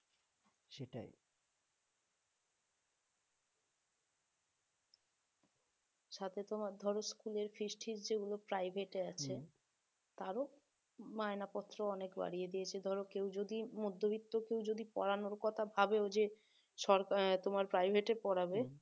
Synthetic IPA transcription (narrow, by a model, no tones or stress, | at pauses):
ʃeʈa̰j | ʃat̪ʰet̪omaɾd̪ʱɔɾoskuleɾfisʈʰiɾd͡ʑeɡulopɾajbʱeʈeat͡ɕʰe | t̪aɾo | maenapɔt̪ːɾoɔnekba̰ɽijed̪ijet͡ɕʰed̪ʱɔɾokewd͡ʑod̪imud̪ʱːobit̪ːokewd͡ʑod̪ipɔ̰ɾanoɾkɔt̪ʰabʱabeod͡ʑe | ʃɔɾt̪omaɾpɾajbʱeʈepɔɽabe